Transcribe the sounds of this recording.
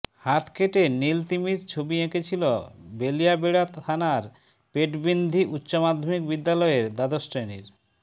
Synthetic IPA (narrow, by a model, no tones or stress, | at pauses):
hat̪ʰkʰeʈenilt̪imiɾt͡ɕʰobiekʰet͡ɕʰilobelijabeɽat̪ʰanaɾ | peʈbind̪ʱiʔutːɕomad̪ʱːomik̚bid̪ːalɔeɾd̪ad̪osʈɾenḭɾ